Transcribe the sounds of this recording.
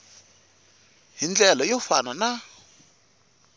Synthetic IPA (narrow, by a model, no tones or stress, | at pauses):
ɦind͡ɮɛlɔjɔfa̰nana